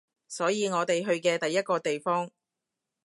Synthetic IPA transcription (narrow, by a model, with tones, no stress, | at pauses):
sɔː˨˥jiː˨˧ŋɔː˨˧t̪e˨jɦɵ˧ɥkɛː˧t̪ɐ˨jːɐ˥t̚kɔː˧t̪e˨jfɔː˥ŋ